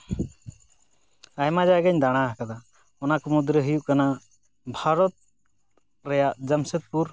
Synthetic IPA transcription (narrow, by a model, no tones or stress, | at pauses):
ajmad͡ʒaɡəɲd̪aɽ̃aɦakad̪a | ɔnakɔmud̪ɾəɦəjuʔkana | bʱaɾɔt̪̚ | ɾɛjaʔd͡ʒəmsət̪̚puɾ